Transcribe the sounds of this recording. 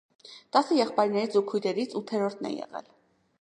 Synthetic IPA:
t̪ɑsəjɛχpɑjɾnɛɾit͡sʰukʰujɾɛɾit͡sʰut̪ʰɛɾɔɾt̪ʰnɛ̰jɛ̰ʁɛ̰l

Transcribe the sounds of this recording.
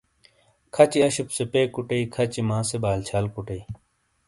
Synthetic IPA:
kʰɐt͡ɕiɐɕipsepeːkuʈɐikʰɐt͡ɕimãːsebaːlt͡ɕʰaːlkuʈɐi

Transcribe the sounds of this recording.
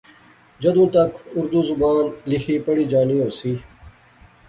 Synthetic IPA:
d͡ʒəd̪ũːt̪ɐkʰʊɾd̪uːzʊbaːnlɪkʰiːpəɽiːd͡ʒaːniːoːsiː

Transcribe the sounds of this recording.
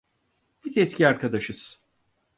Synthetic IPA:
bizɛscʰʲiaɾkʰad̪aʃɯz̥

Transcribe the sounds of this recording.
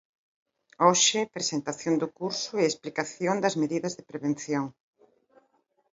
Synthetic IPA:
oʃɪpɾesent̪aθjond̪ʊkuɾsʊeesplikaθjond̪ɐzmeðiðɐzðɪpɾeβ̞en̟θjoŋ

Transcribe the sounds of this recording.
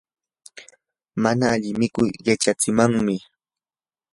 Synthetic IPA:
manaːʎɪmɪkʊjɢat͡ʃat͡sɪmaŋmɪ

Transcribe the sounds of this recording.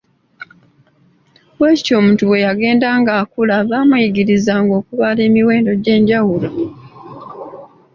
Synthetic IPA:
weːco̞ːmutuwe̞jaɡe̞ːndaːŋɡaːkulaβaːmuiɡiɾizaːŋɡo̞ːkuβale̞ːmiwe̞ːndo̞ɟe̞ːɲɟawulo

